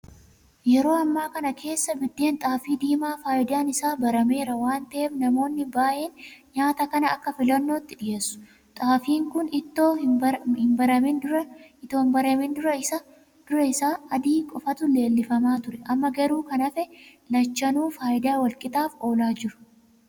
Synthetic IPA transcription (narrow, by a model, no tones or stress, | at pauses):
jɛɾo̞ːɐmːaːkɐnɐkʰe̞ːsːɐbɪd̪ːe̞ːnt̪ʼaːfiːd̪iːmaːfaːʔɪd̪aːnɪsaːbɐɾɐme̞ːɾɐwaːnt̪ɐʔeːbnɐmo̞ːnːɪbaːʔeːnɲaːt̪ɐkɐnɐɐkːɐfɪlɐnːo̞ːt̪ːɪᶑɪje̞ːsːʊ̥ | t̪ʼaːfiːŋkʊnɪt̪ːoːhɪmbɐɾɐmɪndʊɐɪt̪o̞ːnbɐɾemɪnd̪ʊɾɐɪɐ | d̪̥ʊɾɐɪsaːɐd̪iːkʼɔfɐt̪ʊle̞ːlːɪfɐmaːt̪ʊɾɛʔɐmːɐɡɐɾuːkɐnɐfɛlɐt͡ʃːɐnuːfaːʔɪd̪aːwɐlkʼɪt̪aːfo̞ːlaːd͡ʒɪɾʊ̥